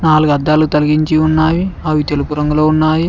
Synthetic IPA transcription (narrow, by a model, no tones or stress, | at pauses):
naːluɡɐd̪ːaːlut̪ɐlɐɡiɲt͡ʃiunːaːjiɐʋit̪e̞lupuɾɐŋɡulo̞ːunːaːji